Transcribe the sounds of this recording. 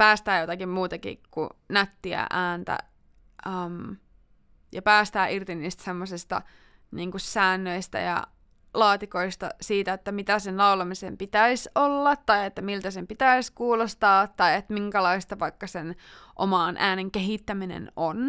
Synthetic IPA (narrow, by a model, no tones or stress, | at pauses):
pæːst̪æːjot̪ɑkimmuːt̪ɑkḭkkṵnæt̪ːiæ̰ʔæːnt̪æ̰ | əm | jɑpæːst̪æːʔirt̪inːiːst̪semːosist̪ɑ̰ | niːŋkusæːnːøist̪æ̰jɑ̰ | lɑːt̪ikoist̪ɑ̰siːt̪æet̪ːæmit̪æsenlɑulɑmisempit̪æisolːɑt̪tːɑjet̪ːæmilt̪æsempit̪æiskuːlost̪ɑːt̪ːɑiet̪miŋkælɑist̪ɑʋɑikːɑsenʔo̰mɑˑnʔæːneŋkeɦit̪ːæminḛnon